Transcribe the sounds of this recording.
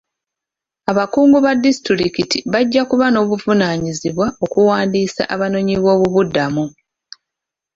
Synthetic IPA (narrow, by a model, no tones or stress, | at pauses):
aβakuːŋɡuβadistiɾikitiβaɟːakuβano̞ːβuvunaɲiziβwao̞kuwaːndiːsa̰ʔaβano̞ɲiβo̞ːβuβudːamu